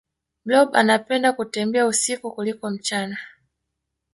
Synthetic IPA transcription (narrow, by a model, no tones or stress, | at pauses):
blɔba̰napɛndakutɛmbɛausikukulikɔm̩t͡ʃana